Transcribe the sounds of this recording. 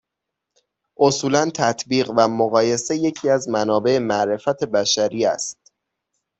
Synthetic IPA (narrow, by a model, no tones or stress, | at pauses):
ʔo̞suːlænt̪ʰæt̪ʰbiːɣvæmoɣɒːje̞se̞je̞cʰiːæzmænɒːbe̞emæʔɾe̞fæt̪ʰe̞bæʃæɾiːæ̰st̪̚